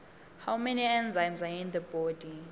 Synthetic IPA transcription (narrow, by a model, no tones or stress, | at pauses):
hawmɛniɛ̃nzãjmzaĩnðəbɔdi